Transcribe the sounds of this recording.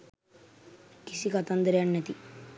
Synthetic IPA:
kisikɐt̪ɐnd̪ɾeɐɳːɐt̪i

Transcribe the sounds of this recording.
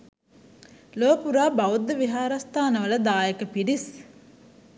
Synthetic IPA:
loːpuɾaːbɐud̪ːəʋiɦaːɾɐst̪aːnəʋəlɐd̪aːjekəpiɖis

